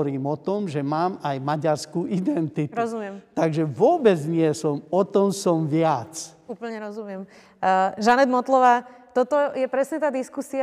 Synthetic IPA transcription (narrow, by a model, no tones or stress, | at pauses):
ɾiːmɔt̪ɔmʒɛmaːmajmaɟaɾskuːʔid̪ɛnt̪itɾɔzumɪɛmt̪aɡʒɛʋʊɔbɛd͡zɲɪɛsɔmɔt̪ɔmsɔmʋɪat͡suːpl̩ɲɛɾɔzumɪɛm | ʒanɛd̪mɔt̪lɔʋaːt̪ɔt̪ɔjɛpɾɛsɲɛt̪aːd̪iskusia